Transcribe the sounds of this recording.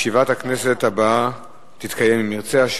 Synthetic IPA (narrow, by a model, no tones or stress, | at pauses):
ʃivathakne̞se̞tabaa | t̪it̪kajemimiʁt͡seaʃ